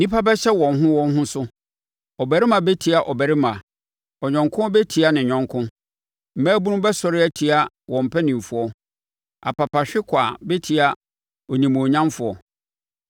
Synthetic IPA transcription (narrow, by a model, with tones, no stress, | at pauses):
nĩ˦pʰa˦bɛ˦ɕɛ˦wɔ̃˨nɦʊ̃˦wɔ̃˦n˦ɦʊ̃˦sʊ˦ | ɔ˨bæ˨ɾɪ˦mã˨bɛ˦tʰi˨˦a˨ʔɔ˨bæ˨ɾɪ˦mã˨ | ɔ˨ɲɔ̃˨ŋkʰʊ̃˦ɔ˦bɛ˦tʰi˨a˨nɪ̃˨ɲᶣɔ̃˨ŋkʰʊ̃˦ | m̩˨mæ̃˦bu˦nʊ̃˦bɛ˦sɔ˨ɾɪ˦æ˦tʰi˨a˦ | wɔ̃˨m̩˨pʰɛ˦nĩ˨m˨fʊ˨ɔ˦ | a̰˨pʰa˨pʰa˨ɕᶣɪ˦kʷʰa˨bɛ˦tʰi˨a˨ | ɔ˨nĩ˨mũ˨ɔ˨ɲã˦mfʊ˨ɔ˨